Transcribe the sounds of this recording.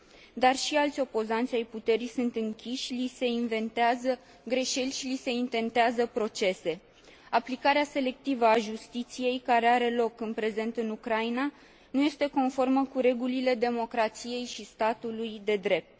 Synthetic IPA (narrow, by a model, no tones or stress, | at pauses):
d̪arʃialt̪sʲo̞po̞zant̪sʲajput̪e̞ɾisunt̪ɨŋkʲiʃʲlise̞inve̞nt̪eazə | ɡɾe̞ʃe̞lʲʃilise̞int̪e̞nt̪eazəpɾo̞t͡ʃe̞se̞ | aplikaɾease̞le̞kt̪ivəaʒust̪it̪sije̞jkaɾe̞aɾe̞lo̞kɨnpɾe̞ze̞nt̪ɨnukɾaina | nuje̞st̪e̞ko̞nfo̞rməkuɾe̞ɡulile̞d̪e̞mo̞kɾat̪sije̞jʃist̪at̪ulujd̪e̞d̪ɾe̞p̚t̪